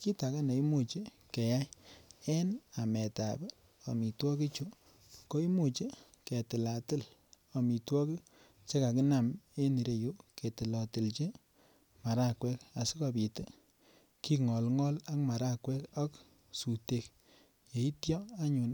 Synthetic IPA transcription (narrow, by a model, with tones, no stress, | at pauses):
ki˦ta˨ka˦ne˨i˦mu˨t͡ʃi˦ | ke˨ja˦jɛ˦na˨mɛ˨ta̰˨b | o˨mi˨twɔ˦ki˦t͡ʃu˦ | ko˦i˦mu˨t͡ʃi˦ | ke˨tɪ˨la˨tɪ˦l | o˨mi˨twɔ˦ki˦ | t͡ʃe˦ka˨kɪ˦na˨me˦ni˨ɾe˨ju˦ke˨tɪ˨lɔ˨tɪ˨lt͡ʃe˦ | ma˨ɾa˦kwɛ˦ka˨si˦ka˨pi˨te˦ | ki˦ŋɔ˨lŋɔ˦la˦kma˨ɾa˦kwɛ˦kɔ˦k | su˨te˨k | je˨i˦tjɔ˦a˦ɲu˨n